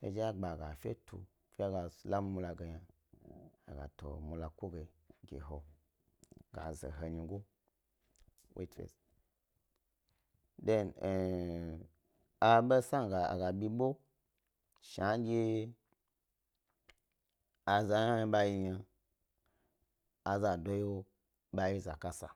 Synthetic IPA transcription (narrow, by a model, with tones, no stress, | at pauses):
fḛ˧d͡ʒa˦ɡ͡ba˨ɡa˨fʲḛ˦tʰṵ˨ | fi˦a˦ɡa˨sla˦m˦mu˧la˧˨ɡe˨ja˨ | a˨ɡa̰˨to̰˨mu˧la˨kʷo˦ɡe˨ɡʲḛ˨ɦo˨ | ɡa̰˨zḛ˨ɦə˧ɲi˧ɡo˦ | wʔḛ˦tɾḛ˨s | de˦n˨ | a˨ɓe˦sa˦ŋ˨ɡa˨a̰˨ɡa˨bʲi˧ɓo˦ | ʃa˦ɡʲe˦ | a˨za˨na˦jɓa˧ji˧ɲa˧ | a˨za˨do˦jo˦ | ɓa˧ji˦za˨ka˦sa˨